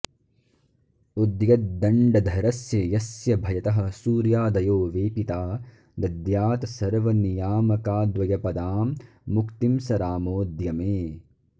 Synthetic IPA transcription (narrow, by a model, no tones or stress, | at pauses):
ud̪jɐt̪̚d̪ɐɳɖɐd̪ʱɐɾɐsjɐjɐsjɐbʱɐjɐt̪ɐɦɐ̆suːɾjaːd̪ɐjoːʋeːpit̪aː | d̪ɐd̪jaːt̪sɐɾʋɐnijaːmɐkaːd̪ʋɐjɐpɐd̪aːmː | ukt̪imsɐɾaːmoːd̪jɐmeː